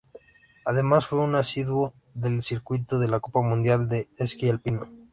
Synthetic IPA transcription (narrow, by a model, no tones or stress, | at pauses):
að̞e̞masfwe̞unasiðwo̞ | ðe̞lsiɾkwit̪oðe̞lako̞pamũnd̪jald̪e̞eskialpino